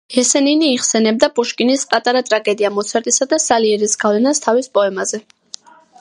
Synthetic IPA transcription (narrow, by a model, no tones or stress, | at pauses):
hɛsɛniniːʁsɛnɛb̚d̪apʼuʃkʼinispʼat̪ʼaɾat̪ʼɾaɡɛd̪iamɔt̪sʰɛɾt̪ʼisad̪asaliɛɾisɡ̥avlɛnast̪ʰavispʼɔɛmazɛ